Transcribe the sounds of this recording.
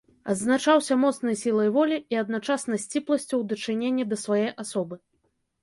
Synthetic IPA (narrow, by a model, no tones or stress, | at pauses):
ɐ̰d̪znat͡ʂawsʲɐmɔt̪snɐjsʲilˠɐjvɔlʲiiɐd̪nat͡ʂasnɐsʲt͡sʲiplˠɐsʲt͡sʲɐwd̪ɐt͡ʂɨnʲenʲːɛd̪ɐsvajejʔasɔbɨ